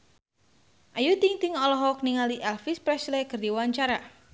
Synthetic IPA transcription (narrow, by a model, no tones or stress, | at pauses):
ʔajut̪iŋt̪iŋɔlɔɦɔkniŋaliʔɛlfispɾɛslɛkərdiwaɲt͡ʃaɾa